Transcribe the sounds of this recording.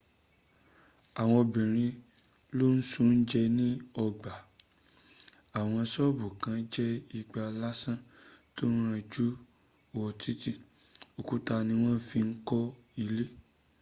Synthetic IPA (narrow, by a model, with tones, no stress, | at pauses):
a˨w̃ɔ̃˧bĩ˨ɾ̃ĩ˧ | lo˦n̩˦sũ˦n̩˦d͡ʒɛ˧nĩ˦ɔ˧ɡ͡ba˨ | a˨w̃ɔ̃˧sɔ˦bu˨kã˨˦d͡ʒɛ˦i˧ɡ͡ba˧la˦sã˦˨to˦n̩˦ɾ̃ã˧d͡ʒu˦ | wɔ˨tʰi˦ti˦ | o˨ku˨˦ta˧nĩ˧w̃ɔ̃˦n̩˦fi˧ŋ̩˦kɔ˦ | i˧le˦